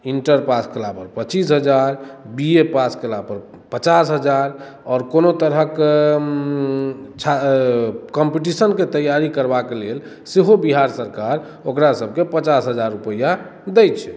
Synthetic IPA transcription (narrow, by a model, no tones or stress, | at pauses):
iɳʈəɾpaskelapəɾpət͡ʃisɦəd͡ʒaɾbiepaskelapəɾ | pət͡ʃasɦəd͡ʒaɾ | ɔːɾkonot̪əɾɦək | t͡ʃʰa | kɔmpiʈ̬isənket̪əjaɾikəɾbakelel | seɦobiɦaɾsəɾkaɾ | okɾasəb̚ʱkepət͡ʃasɦəd͡ʒaɾːupəja | d̪ɛjt͡ʃʰɛ̥